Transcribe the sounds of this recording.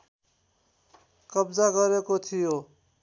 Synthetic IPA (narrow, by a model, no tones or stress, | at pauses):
kʌbd͡zaɡʌɾekot̪ʰijo